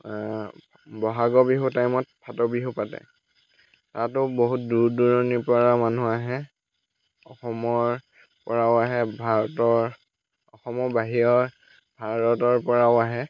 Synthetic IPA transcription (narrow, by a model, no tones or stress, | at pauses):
bɔɦaɡɔbiɦutajmɔt̚pʰatɔbiɦupatɛ̰ | tatʊboɦut̚duɹduɹɔnipɔɹamanuaɦɛ | ɔxɔmɔɹ | pɔɹawaɦɛbʱaɹɔtɔɹ | ɔxɔmɔbaɦijɔɹ | bʱaɹɔtɔɹpɔɹawaɦɛ